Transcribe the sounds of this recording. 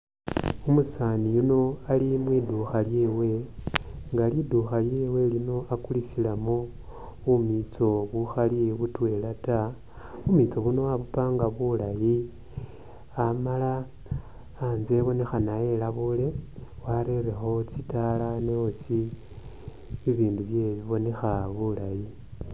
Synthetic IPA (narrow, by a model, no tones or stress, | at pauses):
umusanijuno̞alimwiduxaljewe̞ | ŋɡaliduxaljeːwe̞lino̞akulisilamo | umit͡so̞βuxaliβutwe̞ːlata | βumit͡so̞βuno̞aβupaːŋɡaβulaji | amalaː | nzeβo̞ne̞xanaje̞laβule̞waɾe̞rexo̞t͡sitalaneosi | iβiːnduβje̞βiβo̞ne̞xaβulaji